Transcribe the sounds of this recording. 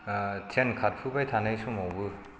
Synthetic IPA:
tʰenkʰat̚pʰɯbajtʰanajsɔmɔwbɯ

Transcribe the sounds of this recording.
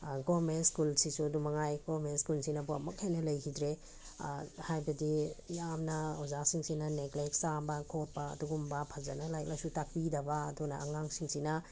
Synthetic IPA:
ɡomentskulsisudumɐŋajɡomenskulsinɐbuɐmɐkhejnɐlɐjkʰidɾe | hajbɐdijamnɐɔzasiŋsinɐnekleksabɐkʰot̚pɐ̰ːduɡumbapʰɐzɐ̰nɐlajk̚lajsutak̚pidɐbɐːdunɐːŋaŋsiŋsinɐ

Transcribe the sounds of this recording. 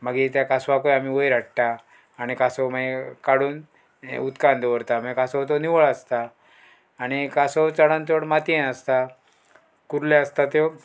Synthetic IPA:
məɡit̪jakasʋakojam̤iʋojɾaʈʈ̪aː | ɽ̃ikasoməekaɽuːn̰ | ut̪kãnd̪əʋəɾt̪aməɡkasɔt̪̬oniʋəɭəst̪aː | ɽ̃ikasot͡saɽãnt̪oɽmat̪iẽnəst̪a | kuɾlaəst̪at̪e

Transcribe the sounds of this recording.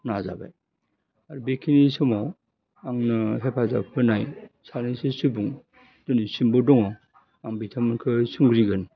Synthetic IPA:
naza̰ba̰j | aɾubekʰinisɯmaw | aŋnɯɦepʰaza̰pʰɯnajsanisɯsɯbuŋ | d̥ɔnisimbɔdɔŋa | aŋbitʰamɯnkʰɯsɯŋɡɾiɡɯn

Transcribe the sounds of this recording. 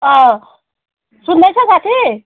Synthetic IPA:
ʌ̃ | sund̪ajt͡sʰʌkat̪ʰi

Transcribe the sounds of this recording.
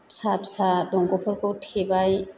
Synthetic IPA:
psapsadɔŋɡɔpʰɔɹkɔwtʰebaj

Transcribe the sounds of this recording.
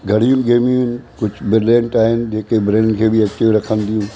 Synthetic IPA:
ɡʱɐɽ̤ijʊnɪɡeːmijũɦɪnɪ̆kʊd͡ʑʱbɪɾlẽːɳʈaːɦɪnd͡ʑeːkebɾẽːɳkʰeːbiɐt͡ɕːeɾɐkʰənd̪ijũː

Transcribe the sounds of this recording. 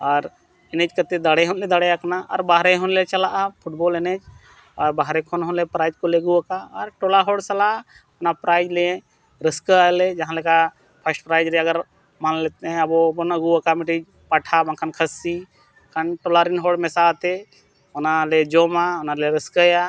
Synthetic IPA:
aɾ | ɛnɛt͡ʃkət̪ed̪aɽɛɦɔnlɛd̪aɽɛaknaəɾbaɦɾɛɦɔnlet͡ʃəlaʔapʰuʈbɔlɛnɛt͡ʃ | ɔɾbaɦɾɛkʰɔnɦɔnlepɾajd͡ʒkoleɡuakaəɾʈɔlaɦoɽsəla | pnapɾajd͡ʒlɛ | ɾəskəalɛd͡ʒaɦãlɛka | pʰəsʈ̚pɾajd͡ʒɾɛəɡəɾ | manlɛt̪ɛɛ̃əbɔpɔnəɡuakamiʈid͡ʒ | paʈʰabankʰankʰəsi | kʰanʈɔlaɾinɦɔɽmɛsat̪ɛ | ɔnaled͡ʒɔmaɔnaleɾəskəja

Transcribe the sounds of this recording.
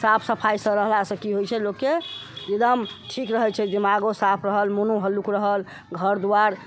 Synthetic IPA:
sapʰsəpʰajsə̃ɾəɦlasə̃kiɦojt͡ʃʰɛlokːeed̪əmʈʰikɾəɦɛt͡ʃʰɛd̪imaɡosapʰɾəɦəlmunuɦəlukɾəɦəl | ɡʱəɾd̪uwaɾ

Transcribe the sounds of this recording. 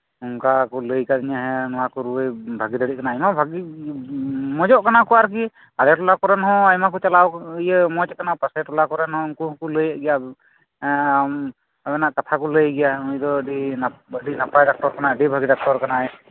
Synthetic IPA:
uŋkakɔləjkad̪iɲaɦɛnɔwakɔɾuəjbʱaɡid̪adiʔ̚kanaːjmabʱaɡi | mɔd͡ʒɔʔkanakɔaɾk̬i | aɾɛʈɔlakɔɾɛnɦɔ̃ajmakut͡ʃalawjɛmɔtɛkanapasɛʈɔlakɔɾɛnhɔ̃ŋkũkuləjaʔɡɛja | m | abɛnaʔkat̪ʰakɔləjɡɛjaujd̪ɔɖiəɖinapajdak̚ʈɔɾkanaəɖibʱaɡidak̚ʈɔɾkanaɛj

